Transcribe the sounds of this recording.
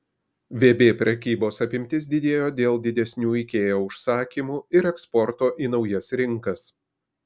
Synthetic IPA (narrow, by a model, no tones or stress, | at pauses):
ʋʲeːbʲeːpʲɾʲɛkʲiːboːsɐpʲɪmʲt̪ʲɪs̬d̪ʲɪd̪ʲeːjoːd̪ʲeːlˠd̪ʲɪd̪ʲɛsʲnʲuːɪkʲeːjoːʊʃsɑːkʲiːmuːɪɾɛkspɔɾt̪oːʔiːnɒʊjɛsɾʲɪŋkɐs